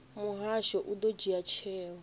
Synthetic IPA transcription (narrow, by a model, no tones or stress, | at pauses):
muɦaʃɔʔud̪ɔd͡ʒiat͡ʃʰɛːwɔ